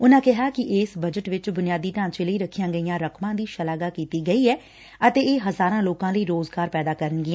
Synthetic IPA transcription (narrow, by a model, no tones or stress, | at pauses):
ʊnãːkɪɦaːkɪʔeːsbəd͡ʒəʈʋɪt͡ʃbʊnɪjaːd̪iːʈãːt͡ʃeːləiːɾəkʰːɪjãːɡəijãːɾəkmãːd̪iːʃəlaːɡaːkiːt̪iːɡəiːɛː | ət̪eːeːɦəzaːɾãːloːkãːləiːɾoːzɡaːɾpɛːd̪aːkəɾənɡɪãː